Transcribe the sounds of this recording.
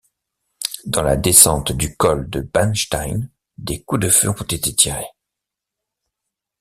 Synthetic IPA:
d̪ɑ̃la̰d̪esɑ̃t̪d̪ykɔld̪əbanʃt̪ajn | d̪ekud̪əføɔ̃t̪et̪et̪ʰiʁe

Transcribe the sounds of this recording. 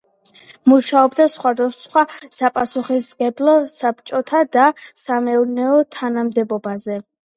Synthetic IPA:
muʃaɔbd̪asχwad̪asχwasapʼasuχisɡɛblˠɔsapt͡ʃʼɔt̪ʰad̪asamɛuɾnɛɔt̪ʰanamd̪ɛbɔbazɛ

